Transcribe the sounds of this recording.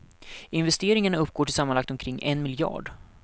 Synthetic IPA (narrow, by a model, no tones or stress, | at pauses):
ɪnvɛst̪eːɾɪŋaɳaɵpːɡ̥oːʈʰɪlsamːanlak̚t̪ɔmkʰɾɪŋːʔɛnmɪljɑ̰ːɖ